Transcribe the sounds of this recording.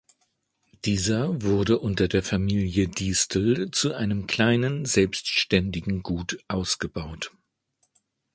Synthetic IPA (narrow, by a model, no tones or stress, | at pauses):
d̥iːzɐvʊɐdəʔʊntɐdeːɐfamiːljədiːstl̩t͡suʔaɪnəmkl̥aɪnənzɛlpstʃtɛndɪɡŋ̩ɡuːtʔaʊsɡ̥əbaʊt